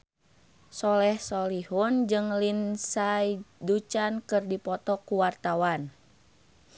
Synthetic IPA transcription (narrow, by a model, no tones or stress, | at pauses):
sɔlɛhsɔlihund͡ʒɨŋlinsaidut͡ʃankɨrdipɔt̪ɔkuwart̪awan